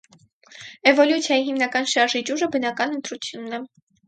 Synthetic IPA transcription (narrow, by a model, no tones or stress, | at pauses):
ɛvɔljut͡sʰjɑjiɦimnɑkɑnʃɑɾʒid͡ʒuʒəbənɑkɑnənt̪ɾut͡sʰjunːɛ